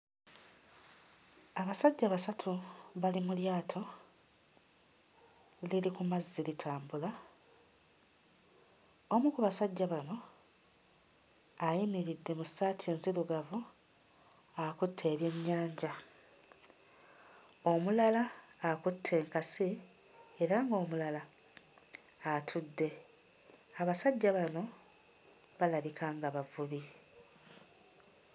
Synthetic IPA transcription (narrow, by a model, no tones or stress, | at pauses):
aβasaɟːaβasatʰuβalimuljaːtʰo̞ | lilikumazːilitʰaːmbula | omukuβasaɟːaβano̞ | ajimiɾidːe̞musaːtʰie̞ːnziluɡavu | akutʰːe̞ːβje̞ːmɲaːɲɟa | omulalaːkutʰːe̞ːŋkasi | eɾaŋɡo̞ːmulala | tʰudːe̞ | aβasaɟːaβano̞ | βalaβikʰaːŋɡaβavuβi